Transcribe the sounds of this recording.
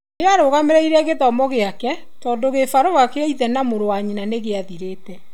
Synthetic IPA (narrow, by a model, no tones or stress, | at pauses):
neaɾoɣameɾɛiɾɛɣetɔmɔɣeakɛ | tɔːndoɣefaɾoakeaiðɛnamoɾowaɲinaneɣeaðiɾeːtɛ